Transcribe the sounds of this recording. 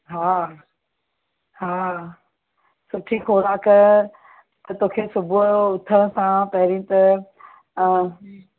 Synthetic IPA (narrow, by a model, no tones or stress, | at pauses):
ɦaː | ɦaː | sʊʈʰikʰoːɾaːkə | t̪ɐt̪oːkʰesʊbʱuʊt̪ʰəɽ̃sãpɐɦɪɾĩt̪ɐ